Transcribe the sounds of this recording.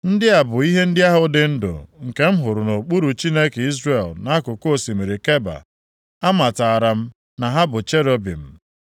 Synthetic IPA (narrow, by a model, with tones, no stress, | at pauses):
n̩˦dɪ˦a˨bʊ˨i˦ɦe˦n̩˦dɪ˦a˦ɦʊ˦dɪ˨n̩˦dʊ̰˨ŋ̩˨ke˦m̩˦ɦʊ˨ɾʊ˨no˨k͡pu˦ɾu˨t͡ʃi˦ne˦ke˨i˦zre˨lna˦kʊ˨ko˦˨si˨me˨ɾe˨ke˦ba̰˨ | a˦ma˨ta˨a˨ɾa˨m̩˦ | na˨ɦa˦bʊ˨t͡ʃe˦ɾo˦bḭ˨m̩˨